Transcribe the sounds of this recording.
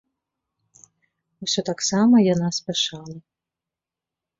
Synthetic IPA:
wsʲɔt̪aksamɐjanasʲpʲɛʂalˠɐ

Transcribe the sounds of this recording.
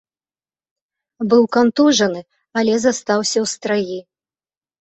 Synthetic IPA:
bɨwkant̪uʐɐnɨ | ɐlʲɛzast̪awsʲɐwst̪ɾaji

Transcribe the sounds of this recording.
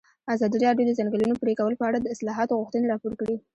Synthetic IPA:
azɑd̪iiɾɑɖjod̪əzaŋɡəlunopɾekawəlopəaɽad̪əɪslɑɦɑt̪oɣuxt̪əneɾɑpoɾkɽi

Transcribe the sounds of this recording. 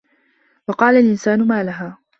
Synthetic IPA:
wɑqɑːlalʔɪnsaːnʊmaːlaɦaː

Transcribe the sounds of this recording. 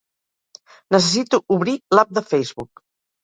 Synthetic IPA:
nəs̬əsit̪uuβɾilap̚d̪əfɛjzβuk

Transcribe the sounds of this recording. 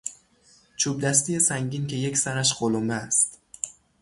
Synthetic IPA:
t͡ʃʰub̚d̪æs̬t̪ijesæŋɟinkʲʰejekʲsænæʃɢolomæːst̪

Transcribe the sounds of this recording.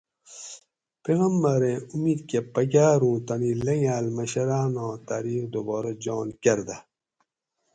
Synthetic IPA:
peɣɐmːɐɾẽumiːd̪kepɐɡʲaːɾũːt̪ɐnilɐŋaːlmɐɕɐɾaːnõːt̪aːɾiːxd̪obɔːɾɐd͡ʑɔːnkɐɾd̪ɐ

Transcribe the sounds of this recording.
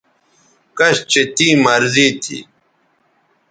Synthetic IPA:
kɐɕt͡ɕet̪iːmɐɾziːt̪ʰḭ

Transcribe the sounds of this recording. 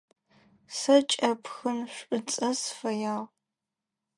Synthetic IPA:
sɐt͡ʃʼɐpxɨnɕʷʼɨt͡sʼɐsfɐjaːʁ

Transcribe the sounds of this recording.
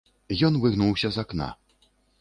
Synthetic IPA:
jɔnvɨɣnuwsʲɐzakna̰

